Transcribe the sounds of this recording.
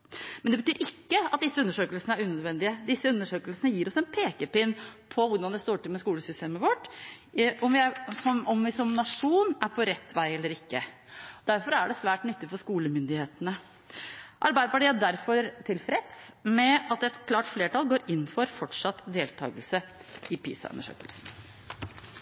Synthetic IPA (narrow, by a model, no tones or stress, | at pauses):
mɛnd̪ɛbət̪ʰyːɾɪkːəɑt̪̚d̪ɪsːəʉnːəʂøːkəlsnəæɾʉːnød̪ʋɛnd̪ɪəd̪ɪsːəʉnːəʂøːkəlsənəjiːɾɔsɛnpʰeːkəpɪnpʰɔʋʊɾɖɑnd̪ɛst̪oːʈɪlmɛskuːləsʏst̪eːməʋɔʈː | ɔmʋɪæɾsɔɔmʋɪsɔmnɑʂuːnæɾpʰɔɾɛt̪ːʋæɪɛlːəɾɪkːə | d̪̥æɾfɔɾæɖɛsʋæːʈnʏt̪ːɪfɔʂkuːləmʏnd̪ɪheːt̪ənə | ʔɑɾbæɪd̪əpɑʈiːæɖæɾfɔɾt̪ʰɪlfɾɛt̪smɛɑt̪̚ɛt̪kʰlɑːʈfleːʈɑlˠɡoːɾɪnːfɔɾfɔʈʂɑt̪ːd̪eːlt̪ʰɑ̰ːɡəlsə | ɪpʰḭːsɑ̰ʉ̰nːəʂø̰ːkəlsn̩